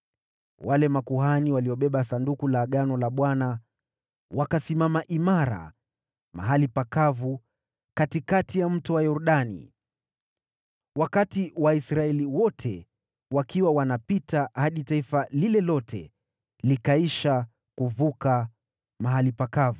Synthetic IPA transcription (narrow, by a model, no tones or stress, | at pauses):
walɛmakuɦaniwaliɔɓɛɓasandukulaɠanɔlaɓwana | wakasimamaʔimaɾa̰ | ma̰ɦalipakavu | katikatijam̩tuwajɔɾuɗanḭ | wakatiwaisɾaɛliwɔtʰɛ | wakiwawanapitʰahaɗitaifalilɛlɔtʰɛ | likaiʃa | kuvuka | maɦalipakavu